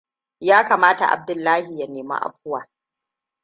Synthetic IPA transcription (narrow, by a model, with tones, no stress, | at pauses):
jaː˦kaː˨maː˦ta̰˨ʔa̰˨b̚dʊ˨lːaː˦hi˨ja˦neː˨ma̰˦ʔa̰˨ɸ̚ʊ˦waː˨